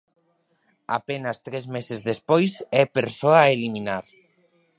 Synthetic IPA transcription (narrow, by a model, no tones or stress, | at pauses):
a̰penɐst̪ɾɛzmesezðespojsɛpeɾsoaeliminaɾ